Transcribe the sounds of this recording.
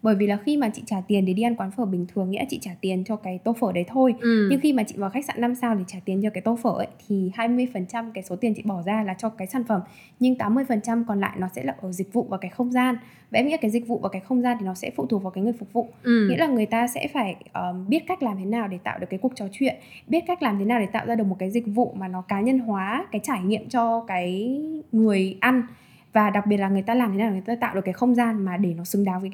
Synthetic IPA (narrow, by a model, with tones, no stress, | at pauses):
ɓəː˧˩jvi˨˩laː˨˩xi˧maː˨˩t͡ɕḭ˧˨t͡ɕaː˧˩t̪i˨˩ənɗe˧˦ɗi˧ʔa˧nkwaː˨˦nfəː˧˩ɓï˨˩ŋ̟t̪ʰɨ˨˩əŋḭ˧˥lːt͡ɕḭ˧˨t͡ɕaː˧˩t̪i˨˩ənt͡ɕɔ˧kaː˨˦jt̪o˧fəː˧˩ɗə˨˦jt̪ʰo˧jɲɨ˧ŋxi˧maː˨˩t͡ɕḭ˧˨vaː˨˩xa˦˥k̚sa̰ː˧˨nːa˧msaː˧wt̪ʰi˨˩t͡ɕaː˧˩t̪i˨˩ənt͡ɕɔ˧kaː˨˦jt̪o˧fəː˧˩ʔə˨˦jt̪ʰi˨˩haː˧jmɨ˧əjfə˨˩nt͡ɕa˧mkaː˨˦jso˨˦t̪i˨˩ənt͡ɕḭ˧˨ɓɔ˧˩zaː˧laː˨˩t͡ɕɔ˧kaː˨˦jsaː˧˩nfə˧˩m | ɲɨ˧ŋt̪aː˨˦mːɨ˧əjfə˨˩nt͡ɕa˧mkɔ˨˩nla̰ː˧˨jnɔ˨˦sɛ̰˧˥laː˨˩ʔəː˧˩zï˨˩k̟̚vṵ˧˨vaː˨˩ka˨˦jxə˧wŋ͡mzaː˧n | vḛ˧˥˦mḭ˧˥˦kːaː˨˦jzi˨˩k̟̚vṵ˧˨vaː˨˩kaː˨˦jxə˧wŋ͡mzaː˧nt̪ʰi˨˩nɔ˨˦sɛ̰˧˥fṵ˧˨t̪u˨˩k̚va˨˩kːjŋɨ˨˩ə˩fk͡p̚vṵ˧˨ŋḭ˧˥laː˨˩ŋɨ˨˩əjt̪aː˧sɛ̰˧˥faː˧˩jʔəː˨˩ɓi˦˥ət̚ka˦˥jk̚laː˨˩mt̪ʰe˨˦naː˨˩wɗe˧˩t̪a̰ː˧˨wɗkːku˨˩ək̚t͡ɕɔ˨˦t͡ɕwḭ˧˨ənɓi˦˥t̚ka˦˥k̚laː˨˩mt̪ʰe˨˦naː˨˩wɗe˧˩t̪a̰ː˧˨wzaː˧ɨ˨˩k̚mo˨˩t̚kaː˨˦jzï˨˩k̚vṵ˧˨maː˨˩nɔ˨˦kaː˨˦ɲə˧nɦwaː˨˦kaː˨˦jt͡ɕaː˧˩jŋḭ˧˨əmt͡ɕɔ˧kaː˨˦jŋɨ˨˩əjʔa˧n | vaː˨˩ɗa˨˩k̚ɓi˨˩ət̚laː˨˩ŋɨ˩jt̪aː˧laː˨˩mt̪ʰe˨˦naː˨˩aː˧t̪a̰ː˧˨wɗə˩kːaː˨˦jxə˧wŋ͡mzaː˧nmaː˨˩ɗe˧˩nɔ˨˦sɨ˨˦ŋɗaː˨˦wvəː˨˦